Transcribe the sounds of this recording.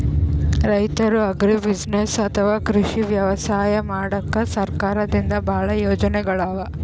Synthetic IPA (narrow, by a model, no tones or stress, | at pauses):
ɾɐjt̪ɐɾuɐɡɾibid͡ʒnesɐt̪ʰɐʋaːkɾuʂiʋjɐʋɐsaːjɐmaːɽɐkːɐsɐɾkaːɾɐd̪ind̪ɐbʱaːɭɐjoːd͡ʒɐnɛɡɐɭaːʋɐ